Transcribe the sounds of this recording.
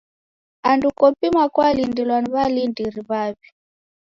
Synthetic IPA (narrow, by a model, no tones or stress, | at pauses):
andukɔpimakwalindilwaniβalindiɾiβaβi̥